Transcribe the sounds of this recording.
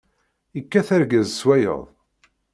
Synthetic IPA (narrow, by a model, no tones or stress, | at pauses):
ikːæθæɾɡæzswæjə̰ðˤ